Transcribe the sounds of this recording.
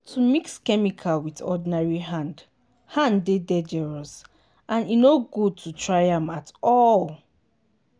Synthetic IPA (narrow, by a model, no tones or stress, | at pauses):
tʰumikskɛmikʰalwiðɔ̰dinaɹiɦãnd | hãnːedɛd͡ʒɛɹɔs | ʔãninoɡud̚tʰutʰɹaɪãmatɔl